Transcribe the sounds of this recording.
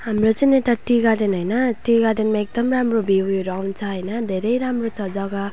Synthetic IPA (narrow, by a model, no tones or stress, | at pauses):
hamrot͡sʌnĩeʈaʈiɡaɖenɦʌjnʌʈiɡaɖenmaek̚d̪ʌmramrobʱiweɾawnt͡sʰʌɦʌjnʌd̪ʱeɾʌjɾamrot͡sʰʌd͡zʌɡʌ